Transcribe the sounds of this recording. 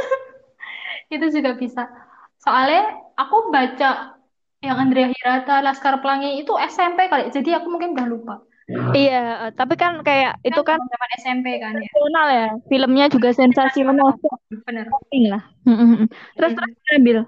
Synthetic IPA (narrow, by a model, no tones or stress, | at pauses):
ɡit̪ud͡ʒuɡabisa | soalɲaakubat͡ʃaʔ | jakand̪ɾiaɦiɾat̪alaskarplaŋiit̪uɛsɛmpekaloʔd͡ʒadiakumuŋkɪnudahlupa | ijaʔət̪ap̬ikankajaʔit̪ukanamanɛsɛmpekanjaonaljafiləmɲad͡ʒuɡasɛnsasiɔnalsb̥ənərɪŋlah | m̩t̪ɾʊst̪əɾʊsambɪl